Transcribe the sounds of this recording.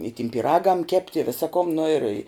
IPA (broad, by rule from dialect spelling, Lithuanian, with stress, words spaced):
ɪ tʲɪm pʲiːˈrɑːɡɐm ˈkʲɛpʲtʲ ɪ ˈʋʲɪsɐ kʊm nʊ ɪr